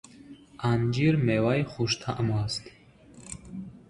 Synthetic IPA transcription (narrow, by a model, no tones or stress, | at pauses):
and͡ʒiɾmewajχuʃt̪ʰaʔəmuast̪ʰ